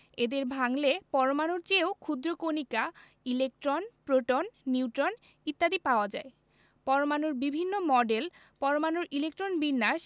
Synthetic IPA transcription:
ed̪eɾbʱaŋlepɔɾomanoɾt͡ɕeokʰud̪ɾokonika | ilek̚ʈɾonpɾoʈonːiwʈɾon | it̪ːad̪ipaoad͡ʑa̰e | pɔɾomanoɾbibʱinːomɔɖel | pɔɾomanoɾʔilek̚ʈɾonbinːaʃ

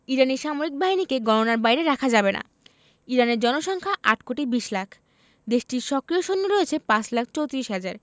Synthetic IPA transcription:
iɾaniɾʃamoɾik̚baɦinikeɡɔnonaɾbajɾeɾakʰad͡ʑabena̰ | iɾaneɾd͡ʑɔnoʃɔŋkʰaʔaʈʰkoʈibiʃlakʰ | d̪eʃʈiɾʃɔkɾioʃonːoɾoet͡ɕʰepãt͡ɕʰlakʰt͡ɕowt̪ɾiʃɦad͡ʑaɾ

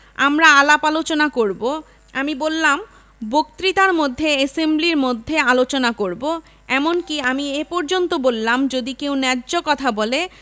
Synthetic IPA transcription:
a̰mɾaalapalot͡ɕonakoɾbo | amibolːam | bok̚t̪ɾit̪aɾmod̪ʱːeesembliɾmod̪ʱːealot͡ɕonakoɾbo | ɛmonkiamiepɔɾd͡ʑont̪obolːamd͡ʑod̪ikewnɛd͡ʑokɔt̪ʰabole

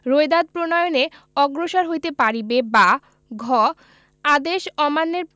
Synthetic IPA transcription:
ɾoed̪ad̪̚pɾonɔjone | ɔɡɾoʃaɾɦojt̪epaɾibeba | ɡʱɔ | ad̪eʃɔmanːeɾ

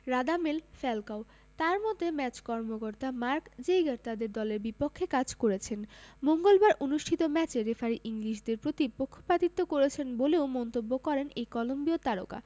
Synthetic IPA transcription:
ɾad̪amelfɛlkao | t̪aɾmɔt̪emɛt͡ɕkɔɾmokoɾt̪amaɾkd͡ʑejɡaɾt̪ad̪eɾd̪ɔleɾbipokʰːekad͡ʑkoɾet͡ɕʰenmoŋɡolbaɾʔonuʃʈʰit̪omɛt͡ɕeɾefaɾiʔiŋɾiʃd̪eɾpɾot̪ipokʰːo̥pɾat̪it̪ːokoɾet͡ɕʰenboleomɔnt̪obːokɔɾenejkɔlombiot̪aɾo̰ka̰

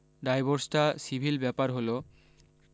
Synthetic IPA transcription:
ɖajboɾsʈasibʱilbɛpaɾɦolo

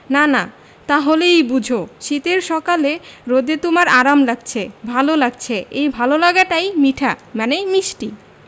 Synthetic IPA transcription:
nana | t̪aɦolejbud͡ʑʱoʃit̪eɾʃɔkaleɾod̪et̪omaɾaɾamlaɡ̚t͡ɕʰebʱalolaɡ̚t͡ɕʰeejbʱalolaɡaʈajmiʈʰamanemiʃʈi

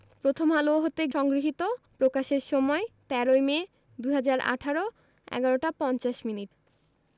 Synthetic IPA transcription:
pɾot̪ʰomɦaloɦot̪eʃɔŋɡɾiɦit̪opɾokaʃeɾʃɔmɔet̪ɛɾojme | d̪uɦad͡ʑaɾa̰ʈʰaɾo | ɛ̰ɡaɾoʈapɔnt͡ɕaʃminiʈ

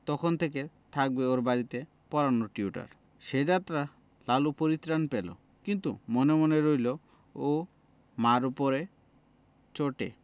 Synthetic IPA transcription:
t̪ɔkʰɔnt̪ʰek̬e | t̪ʰak̚beoɾbaɾit̪e | pɔɾanoʈiuʈa̰ɾ | ʃed͡ʑat̪ɾa | lalupoɾit̪ɾanpelo̰ | kint̪ṵmɔnemɔneɾojlo | o | maɾupɔɾe | t͡ʃoʈḛ

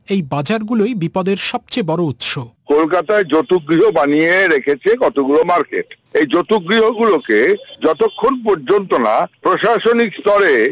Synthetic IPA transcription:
ejbad͡ʑaɾɡulojbipɔd̪eɾʃɔb̚t͡ɕebɔɾout̪ʃokolkat̪aed͡ʑot̪uɡɾiɦobanijeɾekʰet͡ɕʰekɔt̪oɡulomaɾkḛʈ | ejd͡ʑot̪uɡɾiɦoɡuloked͡ʑɔt̪okʰːonpoɾd͡ʑont̪ona̰pɾoʃaʃonikst̪ɔɾe

